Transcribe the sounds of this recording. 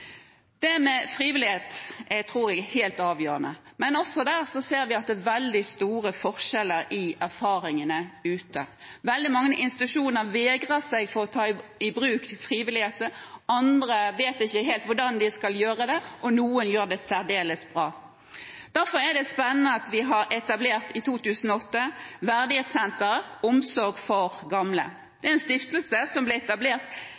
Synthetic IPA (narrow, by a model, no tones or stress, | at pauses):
d̪̥ɛmɛfɾiːʋɪlɪheːt̪ɛt̪ʰɾuːɾɛɡheːlt̪ɑːʋjøːɾənəmɛnɔsɔd̪æːɾsɔseːɾʋɪɑt̪̚d̪ɛːʋɛld̪ɪst̪uːʁəfɔʁʂɛləɾɪʔæɾfɑːɾɪŋənəʉːt̪əʋɛld̪ɪmɑŋːəʔɪnst̪ɪt̪ʉʂuːnəɾʋɛːɡʁəsæɡfɔɾɔt̪ʰɑːɪɪbɾʉːk̪ɪlfʁiːʋɪlɪheːt̪əɑnd̪ɾəʋeːt̪ɪçːəɦeːlt̪ʋʊɖɑnd̪ɪskɑljøːʁəd̪ɛʔɔnuːənjøːʁɖ̪ɛsæʁd̪eːləsbʁɑː | d̪̥æɾfɔɾæd̪ɛspɛnːənəɑt̪ʋɪɦɑɾɛt̪ɑbleːʁt̪ɪt̪ʰuːt̪ʰʉːsən̩ɔɔt̪ːəʋæʁd̪ɪheːt̪sɛnt̪əʁɔmsɔɾɡfɔɾɡɑmlə̰ | d̪̥ɛɛnst̪ɪft̪lsəsɔmblɪɛt̪ɑbleːʁt̪